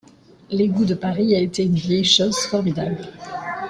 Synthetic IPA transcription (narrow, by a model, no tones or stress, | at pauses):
leɡud̪əpaʁiaet̪eynvjɛjʃozfɔʁmid̪abl